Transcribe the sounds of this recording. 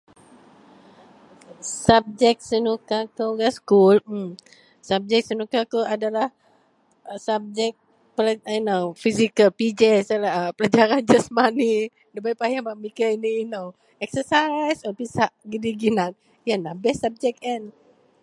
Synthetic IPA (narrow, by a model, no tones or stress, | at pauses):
sab̚d͡ʒɛk̚sənukakəɡaskul̩ | sab̚d͡ʒɛk̚sənukakəʔadalah | sab̚d͡ʒɛk̚ | pəlaajnofizikəlpid͡ʒɛsalapəlad͡ʒaɾand͡ʒəsmani | dəbajpajabamikainiːnow | ɛksəsajsɔpisaʔɡidiɡinan̚ | janabɛsab̚d͡ʒɛk̚ɛn